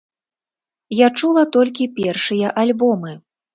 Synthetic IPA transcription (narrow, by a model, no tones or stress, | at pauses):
jat͡ʂulˠɐt̪ɔlʲkʲipʲɛrʂɨjɐʔalʲbɔmɨ